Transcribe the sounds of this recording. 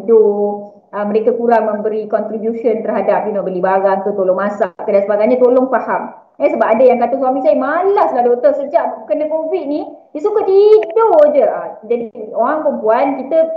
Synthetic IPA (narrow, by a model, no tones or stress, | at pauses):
do | əməɾekakuɾaŋmə̃mbəɾikɔnt̪ɾibjusənt̪ərɦadap̚d͡ʒunɔʔbərlibaɾant̪ut̪oloŋmasak̪adansəbaɡajɲət̪oloŋfaham | əsəbap̚adajaŋkat̪os̬wamĩsaimalahsladot̪əsəd͡ʒaʔkənəkovit̪̚ni | disukəʔt̪idod͡ʒəad͡ʒadioɾaŋpəmpuankit̪ə